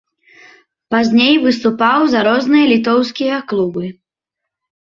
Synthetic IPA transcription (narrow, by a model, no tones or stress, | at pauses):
pazʲnʲejvɨst̪upawzaɾɔznɨjɐlʲit̪̬ɔwskʲijɐklˠubɨ